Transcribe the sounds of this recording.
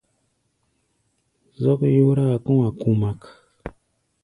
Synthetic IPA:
zɔ˦kjo˦ɾa˦˨kũ˦ŋa˨ku˦ma˦k

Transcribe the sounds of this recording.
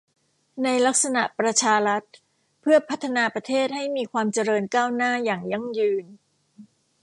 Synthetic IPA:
na˧jla˦˥k̚sa˧na˨˩ʔpɾa˧t͡ɕʰaː˧ɾa˦˥t̪̚ | pʰɯ˥˩ɐpʰa˦˥t̪ʰːa˧naː˧pɾa˧t̪ʰeː˥˩t̪̚ha˥˩jmiː˧kʰwaː˧mt͡ɕa˧ɾɤː˧nkaː˥˩wnaː˥˩jaː˨˩ŋja˧˥ŋjɯː˧n

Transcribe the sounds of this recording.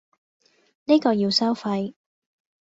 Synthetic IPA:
ni˥kɔː˧jiː˧wsɐ˥wfɐ˧j

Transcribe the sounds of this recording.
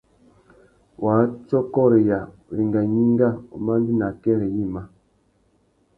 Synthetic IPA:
wʔa˨˦t͡ʃɔ˦kɔ˦ɾe˨ja˨ | wi˨ŋɡa˨ɲi˦ŋɡa˦ṵ˨ma˦n˦di˦na˨kɛ˦ɾe˨ji˦˨ma˨

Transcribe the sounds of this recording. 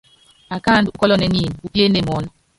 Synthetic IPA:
a˨ka˦˨ndu˦kɔ˦lɔ˦nɛ˨˦ni˦˨n˨u˦pje˦ne˦˨mɔ˨˦n˦

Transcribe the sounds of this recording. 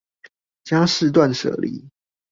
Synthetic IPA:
t͡ɕja˥˦ʂɻ̩˥˧t̪̬wa˥˨nʂɤ̰˨˩lḭ˨˦

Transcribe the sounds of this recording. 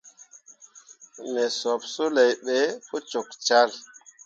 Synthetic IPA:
ne˨sɔ˨pso˦le˨jɓe˨fo˦t͡ʃo˨kt͡ʃa˦l

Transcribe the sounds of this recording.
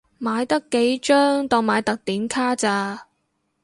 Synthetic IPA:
maː˨˧jt̪ɐ˥kːe˨˥jt͡ʃœː˥ŋt̪ɔː˨˩ŋmaː˨˧jt̪ɐ˨k̚t̪iː˨˥nkʰaː˥t͡saː˧

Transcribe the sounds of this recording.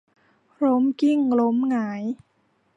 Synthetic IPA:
ɾo˦˥mki˥˩ŋlo˦˥mŋaː˩˦j

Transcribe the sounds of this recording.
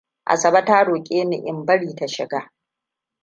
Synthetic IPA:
ʔa̰˨sɐ˨bɐ˦taː˦ɽoː˨kʲʼeː˦nɪ̰˨ʔɪ˨mbɐ˦ɽiː˨ta˦ʃɪ̰˨ɡaː˦

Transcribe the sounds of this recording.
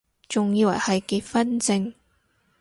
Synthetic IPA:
t͡sʊ˨ŋjiː˧wɐ̰˨˩jhɐ˨jki˧t̚fɐ˥nt͡sɪ˧ŋ

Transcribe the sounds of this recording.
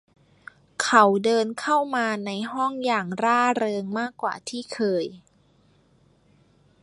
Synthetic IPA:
kʰa˨˦˩wdɤː˧nkʰa˥˩wmaː˧na˧jɦɔ˥˩ŋjaː˨˩ŋɾaː˥˩ɾɤː˧ŋmaː˥˩kːwa̰ː˨˩t̪ʰiː˥˩kʰɤː˧j

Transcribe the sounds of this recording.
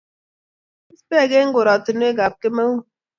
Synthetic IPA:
i˦spe˦˨ɡe˦ŋ̩˦ɡo˨ɾa˨tu˨nu˦e˦ɡa˨p̚ke˦me˦wu˦

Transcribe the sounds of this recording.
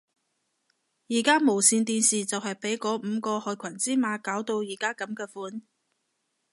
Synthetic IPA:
jiː˨˩kaː˥mo˨˩wsiː˧nt̪iː˧nsiː˨t͡sɐ˨whɐ˨jpe˨˥jkɔː˨˥m̩ː˨˧kɔː˧hɔː˨˧jkʷʰɐ˨˩nt͡siː˥maː˨˧kaː˨˥wt̪o˧wjiː˨˩kaː˥kɐ˨˧˥mkɛː˧fuː˨˥n

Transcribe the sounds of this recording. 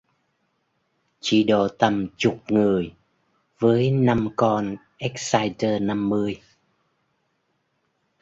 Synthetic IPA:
t͡ɕḭ˧˩ɗo˧˨˩t̪ə˨˩mt͡ɕʊ˨˩k͡p̚ŋɨ˨˩əj | vəː˨˦jna˧mkɔ˧n | ʔɛ˦˥k̚saː˧jtəː˧na˧mːɨ˧əj

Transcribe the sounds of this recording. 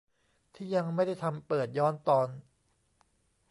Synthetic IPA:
t̪ʰiː˥˩ja˧ŋma˥˩jda˥˩jt̪ʰa˧mpɤː˨˩t̪̚jɔː˦˥nt̪ɔː˧n

